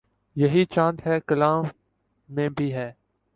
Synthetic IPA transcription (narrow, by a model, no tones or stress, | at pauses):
jɐɦiːt͡ʃãːt̪ɦɛːkəlaːmː | ẽːbʱiːɦɛː